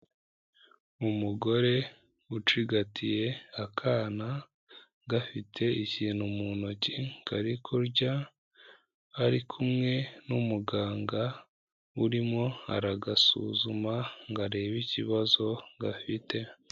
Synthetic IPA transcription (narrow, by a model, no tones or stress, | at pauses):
umuɡo̞ɾe̞ | ut͡ʃiɡatʰije̞akʰaːna | ɡafitʰe̞iciːnhumunocikaɾikʰoɾɟa | ɾikʰumŋe̞numuɡaːŋɡa | uɾimŋo̞a̰ɾaɡasṵzumaŋɡaɾe̞ːβiciβazo̞ŋɡafite̞